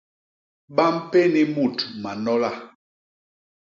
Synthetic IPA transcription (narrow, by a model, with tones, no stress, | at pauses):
ɓa˦m̩˦pe˦ni˦mu˦˨tma˨nɔ˦la˦